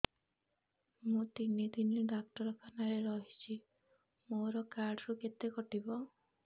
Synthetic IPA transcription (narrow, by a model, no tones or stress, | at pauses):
mũt̪inid̪iniɖakʈɔɾɔkʰanaɾeɾɔɦit͡ʃʰi | moɾɔkaɾɖɔɾuket̪ekɔʈibɔ